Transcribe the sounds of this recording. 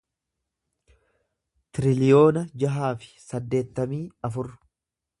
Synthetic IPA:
t̪ɪɾɪlɪjo̞ːnɐd͡ʒɐɦaːfɪ̥sɐd̪ːe̞ːt̪ːɐmiːɐfʊr

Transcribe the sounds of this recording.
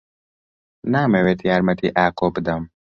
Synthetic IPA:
naːmewet̪ijaːɾmɐt̪ʰiʔaːkoːpd̪ɐm

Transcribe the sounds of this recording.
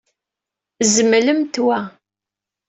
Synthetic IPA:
zəmːləmt̪wæ

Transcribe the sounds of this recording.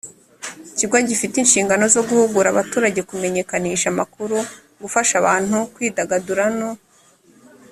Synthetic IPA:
iciɡwoɲɟifitinʃiːŋɡano̞zo̞ɡuhuɡuɾaβatuːɾaɟe̞kume̞ɲe̞kaniːʃamakuɾu | ɡufaʃaβaːn̥hukwiːdaɡaduɾano

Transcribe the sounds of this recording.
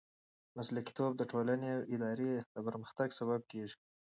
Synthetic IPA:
maslaki̥t̪ob̚d̪əʈolaneawʔɪd̪ɑɾed̪̥əpəɾməxt̪aɡsaβab̚keʐi̥

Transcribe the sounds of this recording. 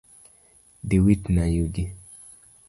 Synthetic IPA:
diwitnajuɡi

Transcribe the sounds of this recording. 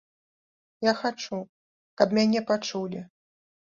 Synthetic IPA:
jaxat͡ʂu | kɐbmʲanʲɛpat͡ʂulʲi

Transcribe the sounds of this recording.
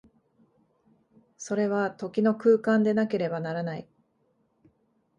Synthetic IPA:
so̞ɾe̞βat̪o̞kʲino̞kɯːkãnd̪e̞nake̞ɾe̞banaɾanai

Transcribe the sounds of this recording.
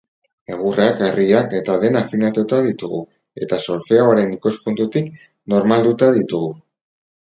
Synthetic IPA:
eɣ̞ureakariae̞t̪aðe̞nafinat̪ut̪aðit̪uɣṵ | e̞t̪aso̞ɾfeaoaɾe̞nikoskunt̪ut̪ik | no̞ɾmald̪ut̪aðit̪uɣu

